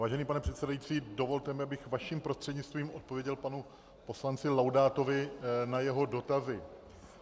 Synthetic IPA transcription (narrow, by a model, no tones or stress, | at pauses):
vaːʒɛniːpanɛpr̥ɛt̪sɛdajit͡siːdovolt̪ɛmɪabɪxvaʃiːmpɾo̞st̪r̥ɛdɲɪt͡st̪viːmʔo̞t̪̚po̞vjɛɟɛlpanu | po̞slant͡sɪlawdaːt̪o̞vɪnajɛɦo̞do̞t̪azɪ